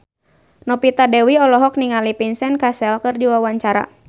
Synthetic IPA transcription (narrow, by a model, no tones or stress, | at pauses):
nɔpit̪adɛwiɔlɔɦɔk̚niŋalipinsɛnkasɛlkɨrdiwawaɲt͡ʃaɾa̰